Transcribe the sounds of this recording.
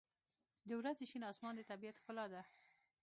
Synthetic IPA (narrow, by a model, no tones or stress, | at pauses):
d̪əwɾazeʃinɑsmɑnd̪ət̪abiat̪kʊlɑd̪a